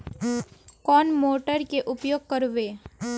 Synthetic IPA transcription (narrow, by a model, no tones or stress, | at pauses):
kɔːnmoːʈəɾkeʔʊpjoːɡ̚kəɾʋeː